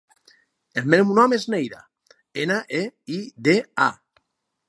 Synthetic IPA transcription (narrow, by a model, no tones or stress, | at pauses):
elmemunɔmeznejða̰ | enaʔeiðea̰